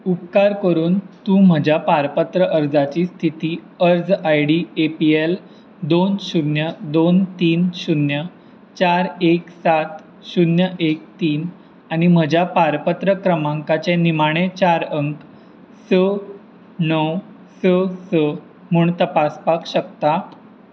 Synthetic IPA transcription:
upkaɾkəɾuːnt̪ũːm̤əd͡ʑʱjapaɾpət̪ɾəʔəɾd͡zat͡ɕiːst̪ʰit̪iː | əɾd͡zajɽiepiel | d̪onɕunjəd̪ont̪iːnɕunjə | t͡ɕaɾeksat̪ | ɕunjəʔek̚t̪iːn | aɽ̃im̤əd͡ʑʱjapaɾpət̪ɾəkɾəmãŋkat͡ɕenimaɽ̃et͡ɕaɾəŋk | sə | nəw | səsə | m̤uɳt̪əpaspakɕək̚t̪a

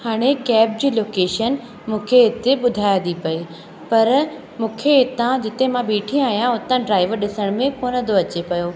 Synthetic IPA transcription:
haːɽ̃ekɛːp̚d͡ʑiːloːkeːʃən | mũːkʰeɦɪt̪eɓʊd̪ʱaːjad̪ipɐe | pɐɾ | mũːkʰeɪt̪ãd͡ʑɪt̪emãɓiːʈʰij̃aːɦijãʊt̪ə̃ɖɾaːɪʋəɾɗɪsəɽ̃mẽkoːnəd̪oɐt͡ɕepɐjo

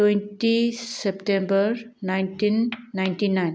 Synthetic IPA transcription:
twẽnʈisepʈẽmbəɾnajnʈinːajnʈinajn

